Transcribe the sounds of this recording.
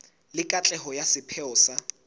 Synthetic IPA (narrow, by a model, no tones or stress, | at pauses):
lɪkʼat͡ɬʼɛɦɔjasɪpʰɛɔːsa